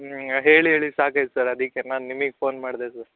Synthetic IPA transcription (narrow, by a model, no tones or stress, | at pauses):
ɦeːɭiɦeːɭisaːkajt̪sɐɾɐd̪ikːenaːnːimiɡpoːnmaːɽd̪esɐɾ